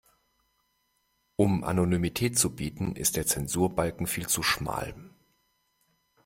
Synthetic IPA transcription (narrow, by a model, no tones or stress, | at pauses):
ʔʊmʔa̰nonymitʰɛːtt͡subiːtn̩ɪ̰st̚d̥eːɐt͡sɛnzuːɐbalkŋ̩fiːlt͡suʃma̰ːl